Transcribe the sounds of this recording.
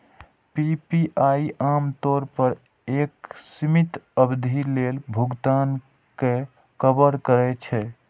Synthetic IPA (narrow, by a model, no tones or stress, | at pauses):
pipiʔaiʔamt̪oɾpəɾ | eksimit̪əbd̪ʱilelbʱuɡt̪an | ke | kəbəɾkəɾɛt͡ʃʰɛ